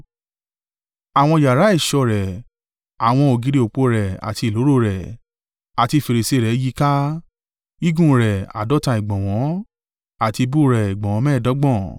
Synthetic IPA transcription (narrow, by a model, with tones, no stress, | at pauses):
a˨w̃ɔ̃˧ja˨ɾa˨˦i˦˨ʃɔ˧˨ɾɛ˨ | a˨w̃ɔ̃˧o˨ɡi˨˦ɾi˧˦o˨k͡po˧˦ɾɛ˨a̰˨ti˧˨lo˨˦ɾo˦˨ɾɛ˨ | a˨ti˧˨fe˨ɾe˨se˨˦˨ɾɛ˨˦ji˦ka˦ | i˦ɡũ˦ɾɛ˨a̰˨dɔ˨˦ta˧i˨ɡ͡bɔ̃˨w̃ɔ̃˨˦ | a˨ti˧bu˦ɾɛ˨i˨ɡ͡bɔ̃˨wɔ̃˨˧˦mɛ̃˦˨dɔ˨˦ɡ͡bɔ̃˦˨